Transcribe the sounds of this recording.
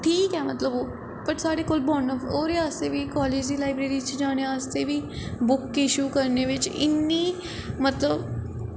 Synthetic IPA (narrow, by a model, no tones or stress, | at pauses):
ʈʰiːkɦɛmɐt̪ləboː | pɐʈsaːɽekolbɔːnɔfoːɾeaːst̪ebʱikɔːleːd͡ʒd̪ilaːɪbɾeːɾit͡ʃd͡ʒaːñeaːst̪ebʱibʊkːɪʃuːkɐɾneʋɪt͡ʃɪ̰nːi | mɐt̪ləb